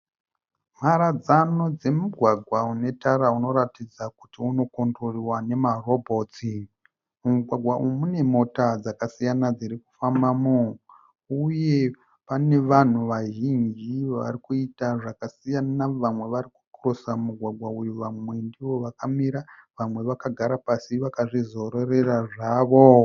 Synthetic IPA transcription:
m̤aɾad͡zano̞d͡ze̞muɡʱwaɡʱwaune̞taɾauno̞ɾatid͡zakutiuno̞kondoriwane̞maro̞bʱo̞ti | umuɡʱwaɡʱwaʔujumune̞mo̞tad͡zakasijanad͡ziɾiku̥fambamu | uje̞ | pane̞ʋan̤uʋaʒind͡ʒiʋa̰rikuitaʐakasijanaʋamwe̞ʋaɾiku̥kurosamuɡʱwaɡʱwaujuʋamwe̞ndiʋo̞ʋakamiɾaʋamwe̞ʋakaɡʱaɾapasiʋakaʐizo̞ɾore̞raʐaːʋo

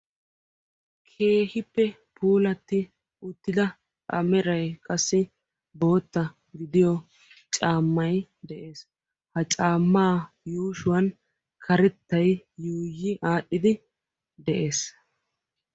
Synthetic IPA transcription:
kʰe̞ːhɪpːɛ | pʰuːlɐt̪ːɪ | ʊt̪ːɪd̪ɐ | ɐ̰mɛɾɐjkʼɐsːɪ | bo̞ːt̪ːɐ | ɡɪd̪ɪjɔ | t͡ʃʼaːmːɐjd̪ɛʔe̞ːs | hɐt͡ʃʼaːmːaː | juːʃʊwɐn | kʰɐɾɛt̪ːɐjjuːjːɪʔaːɗːɪd̪ɪ | d̪ɛʔe̞ːs

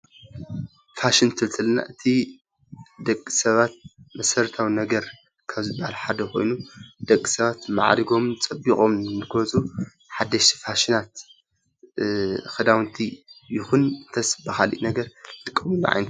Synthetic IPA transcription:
faʃint̪ʰɨlt̪ʰɨlna̰ʔɨt̪ʰi | d̪ɐkʼːi̥sɐβat̪̚mɐsɐɾt̪ʰawinɐɡɐɾ | kʰaβzɨbːahalħad̪ɐkʰo̞̰jnud̪̥ɐkʼːisɐβat̪ma̰ʕɾiɡo̞mɨt͡sʼɐbikʼo̞mnɨkʰot͡sʼu | ħad̪ːɐʃfaʃinat̪ | xɨd̪awnt̪ʰijɪxunɨnt̪ʰɐsbɐxalḭʔnɐɡɐɾt̪ʼɨkʼːɐmulṵʕa̰jnt̪

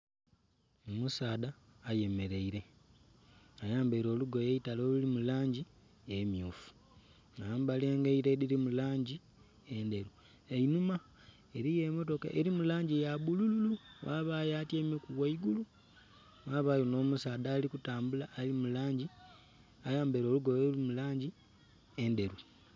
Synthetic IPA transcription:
omusaːdaːje̞me̞ɾe̞iɾe̞ | ajaːmbaiɾo̞ːluɡojeitaloːlulimulaːɲɟi | emjuːfu̥ | ŋajaːmbaleːŋɡaiɾe̞diɾimulaːɲɟi | ende̞ɾu | einuma | eɾije̞mo̞to̞ka̰ʔeɾimulaːɲɟijabulululuwaːβajatjeːmekuwaiɡulu | waːβajono̞ːmusaːdaːlikutaːmbulaːlimulaːɲɟi | ajaːmbeɾo̞ːluɡojoulimulaːɲɟi | e̞nde̞ɾu

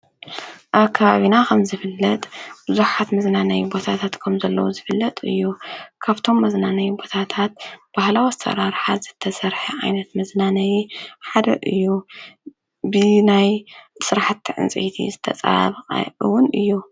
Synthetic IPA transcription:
ʔaβkʰːaβaβinakʰɐmzɨfɨlːɐt̪ʼb̥ɨzuħat̪mɐznanɐjbo̞t̪ʰat̪ʰat̪kʰɐmzɐlːɐwuzɨfɨlːɐt̪ʼɨ̰jːukʰaβt̪ʰo̞mːɐznanɐjbo̞t̪ʰat̪ʰat̪̚b̥ahlawasɐ̰ɾaɾħazɨt̪ʰːɐsɐɾħɐʕa̰jnɐt̪mɐznanɐjiħad̪ɐ̰ʔɨjːu | bɨnajsɨɾaħat̪ːiʕɨ̰nt͡sʼḛjt̪ʰḭzɨt̪ʰɐ̰t͡sʼɐ̰ɾa̰βqʼɨwʊnɨjːu

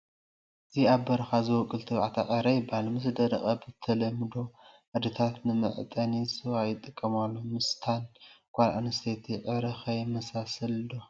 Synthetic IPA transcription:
ʔɨziaβbɐɾɐxazɨwɔkʼɨlt̪ʰɨβʕat̪ʰaʔʼɐɾɐjbɐhalmɨsd̪ɐɾɐχʼɐbɨt̪ʰɐlɐmɨd̪o̞ | ʕad̪ɨt̪ʰat̪nɨmɨ̰ʕt̪ʼɐnisɨwajɪt̪ʼːɨkʼːɐmalːomɨst̪ʰankʷʼalʔa̰nɨst̪ʰet̪ʰiʕɨɾɨxɐjmɐsasɐld̪o

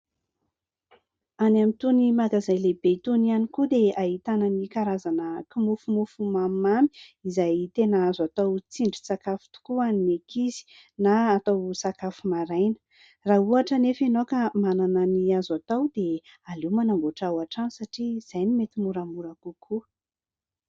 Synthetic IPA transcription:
anamit̪unimakazajlebet̪unianikud̪eaɦit̪anənikaɾazanəkimufumufumammami̥izajt̪enazat̪awt͡siɳɖ͡ʐi̥sakafi̥t̪u̥kuanimekizi̥ | naːt̪awsakafumaɾajnə̥ | rauaʈ͡ʂənefenokamanananiazat̪awd̪e | alemanamboʈ͡ʂawaʈ͡ʂansaʈ͡ʂiz̥ajnimet̪imuɾamuɾakukʰu

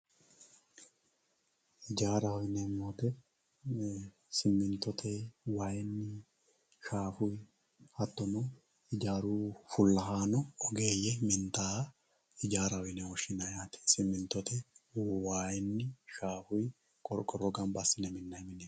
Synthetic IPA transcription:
ɪd͡ʒaːɾɐhɔjɪnɛmoːt̪ɛ | sɪmːɪnt̪ɔt̪ʰɛwaːjɪnːɪ | ʃaːfʊj | hɐt̪ːɔnɔ | ɪd͡ʒaːɾuːfʊlːɐɦaːnɔɔɡeːjːɛmɪnt̪aː | ɪd͡ʒaːɾɐhɔjnɛhɔʃɪnɐjaːt̪ɪ̥sɪmːɪnt̪ɔt̪ɛwaːjɪnːɪʃaːfʊj | kʼɔɾkʼɔrːɔɡɐmbasɪnɛmɪnːɐɪmɪnɛ

